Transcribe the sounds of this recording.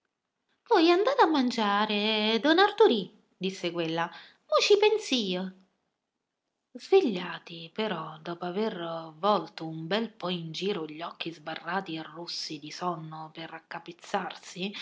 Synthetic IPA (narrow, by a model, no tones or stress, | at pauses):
vwɔjand̪aːt̪amːand͡ʒaːɾed̪ɔnart̪uɾi | d̪isːekwelːa | mɔt͡ʃipɛnsiːa | zveʎːaːt̪ipeɾɔd̪ɔːpoavervɔlt̪oumbɛlpɔind͡ʒiːɾoʎːɔkːizbarːaːt̪iarːusːid̪isɔnːoperakːapet̪sːarsi